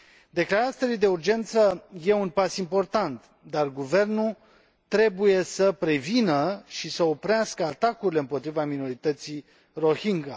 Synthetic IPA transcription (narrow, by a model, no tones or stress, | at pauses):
d̪e̞klaɾat̪sʲelid̪e̞urd͡ʒe̞nt̪səje̞unpasimpo̞rt̪ant̪ | d̪arɡuve̞rnu | t̪ɾe̞buje̞səpɾe̞vinəʃisəo̞pɾeaskəat̪akuɾile̞ɨmpo̞t̪ɾivamino̞ɾit̪ət̪si | ro̞hiŋɡa